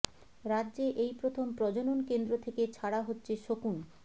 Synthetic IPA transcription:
ɾadːʑeʔejpɾot̪ʰompɾɔd͡ʑononkend̪ɾot̪ʰeket͡ɕʰaɽaɦotːɕʰeʃokun

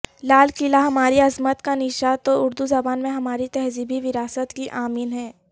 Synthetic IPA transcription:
laːlkɪlaɦɐmaːɾiɐzmət̪kanɪʃat̪oʊɾd̪uzɐbaːnmẽɦɐmaːɾit̪ɛɦziːbʱiʋɪɾaːsət̪kiʔaːmiːnɦɛː

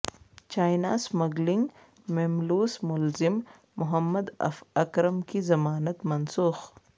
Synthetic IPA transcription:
t͡ʃaːjnaːsmɐɡliŋɡ | memluːsmʊlzimː | ʊɦɐmːɐd̪ɐ̰fɐkɾɐmkizɐmaːnɐt̪mɐnsuːx

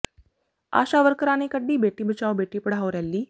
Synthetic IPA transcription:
a̰ɕaʋəɾkəɾanekəɖːiːbeʈiːbət͡ɕaʋbeʈiːpəɽ̤aʋɾjalːiː

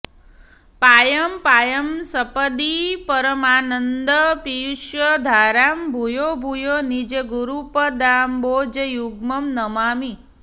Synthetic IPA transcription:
paːjəmpaːjəmsəpəd̪ipəɾəmaːnənd̪əpijuʃjəd̪ʱaːɾaːmbʱujobʱujonid͡ʒeɡuɾupəd̪aːmboːd͡ʒəjuɡmɐmnəmaːmi

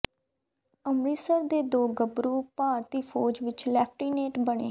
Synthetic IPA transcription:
əmɾiːsəɾd̪eːd̪oːɡəbɾuːpaːɾt̪iːpʰoːd͡ʒʋɪt͡ʃlɛːpʰʈiːneːʈbəɳ̃ḛː

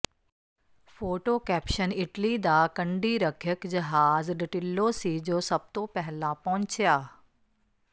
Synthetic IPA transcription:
foːʈoːkɛːpʃənɪʈlid̪akɐ̃ɳɖiɾɐkʰjəkd͡ʑɐɦaːzɗɪʈɪlːosid͡ʑoːsɐb̚t̪opɛɦɪlãpɔ̃ɦʊ̃ɲt͡ɕʰjaː

